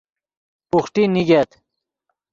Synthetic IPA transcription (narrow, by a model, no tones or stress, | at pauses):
puxʈiniɡet̪